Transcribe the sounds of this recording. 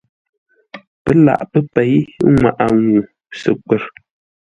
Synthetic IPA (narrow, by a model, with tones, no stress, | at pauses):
pə˦la̰˨ʔpə˦pe˨˦jŋʷa˨ʔa˨ŋu˨ | sə̰˨kwə˨ɾ